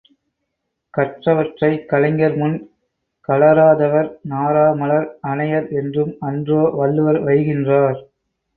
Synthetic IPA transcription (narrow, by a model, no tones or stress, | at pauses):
kɐʈrɐʋɐʈrɐɪkɐlɐŋɡɐɾmʊn | kɐlɐɾaːðɐʋɐɾnaːɾaːmɐɭɐɾɐnɐjɐɾɛndrɯmɐndroːʋɐɭːɯʋɐɾʋɐɪɣɪndraːɾ